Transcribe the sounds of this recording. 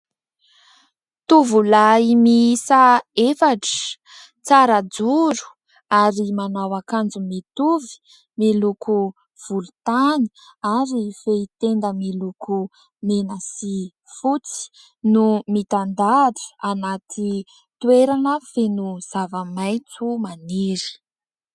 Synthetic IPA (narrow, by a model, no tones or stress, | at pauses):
t̪uvulaimisaefaʈ͡ʂə̥ | t͡saɾad͡zuɾu̥ | aɾimanawakand͡zumit̪uvi̥ | milukʰu | v̥ulut̪ani̥aɾifeit̪end̪əmilukʰu | menəsi | fut͡si̥ | numit̪and̪aɾu̥anat̪ʰi | t̪weɾanəfenuz̥avəmajt͡sumaniɾi̥